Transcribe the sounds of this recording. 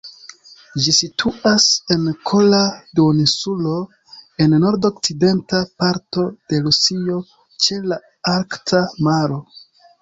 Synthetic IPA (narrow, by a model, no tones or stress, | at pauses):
d͡ʒisitʰuase̞nkʰoladunisulo̞ | e̞nːo̞ɾdo̞kside̞ntapaɾto̞d̥e̞ɾusio̞ | t͡ʃe̞la | aɾktʰamaɾo̞